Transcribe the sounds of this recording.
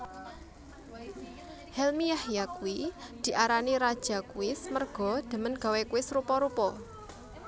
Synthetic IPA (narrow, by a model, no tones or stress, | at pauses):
hɛlmijahjakuwid̪̥i̤ʔaɾaniɾad̥ʒ̥a̤kuɪsmərɡ̥ɔ̤d̪̥ə̤mənɡ̥a̤wekuwɪsrupɔɾupɔ